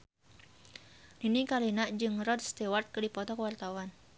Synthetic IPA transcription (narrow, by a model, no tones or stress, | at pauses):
ninikalinaʔd͡ʒɨŋrɔd̪̚st̪ewart̪̚kədipɔt̪ɔkəwart̪awan